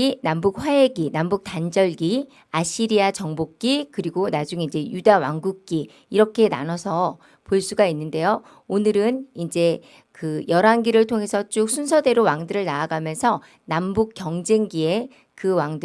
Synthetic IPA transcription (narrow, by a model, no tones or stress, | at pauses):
inambuk̚ɸwae̞ɡinambuk̚tand͡ʑʌɭɡi | aɕʰiɾiat͡ɕʌŋbok̚k͈ikɯɾiɡonad͡ʑuŋind͡ʑe̞judawaŋɡuk̚k͈i | iɾʌkʰe̞na̰nʌsʰʌ | poɭs͈uɡainːɯnde̞jo | onɯɾɯnind͡ʑe̞ | kɯjʌɾanɡiɾɯɭtʰoŋɦe̞sʰʌt͡ɕ͈ok̚sʰunsʰʌde̞ɾowaŋdɯɾɯɭnaːɡamjʌnsʰʌ | nambuk͈jʌŋd͡ʑeŋɡie̞ | kɯwaŋdɯ